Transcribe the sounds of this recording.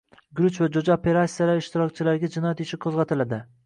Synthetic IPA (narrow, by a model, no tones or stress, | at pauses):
ɡɾʊt͡ʃvad͡ʒod͡ʒaopʰe̞ɾat̪sijalaɾɪʃt̪ʰɪɾɒkʲt͡ʃʰɪlaɾɡʲad͡ʒɪnɒjat̪ɪʃɪqʰozʁɑt̪ʰɪlad̪ɪ